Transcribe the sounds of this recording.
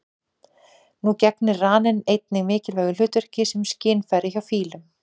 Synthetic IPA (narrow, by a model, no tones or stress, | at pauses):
nucɛknɪaːnɪnejt̪̚nɪɣmɪːcɪlvɛːɣʏl̥ʏːt̪ʏɾ̥cɪsɛmscɪːnfajɾɪçawfiːlʏm